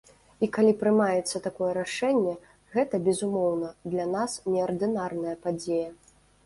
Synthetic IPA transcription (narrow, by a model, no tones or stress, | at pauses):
ikalʲipɾɨmajɛt̪sːɐt̪akɔjɛɾaʂɛnʲːɛ | ɣɛt̪ɐbʲɛzumɔwnɐd̪lʲanasnʲɛɐrd̪ɨnarnɐjɐpad͡zʲejɐ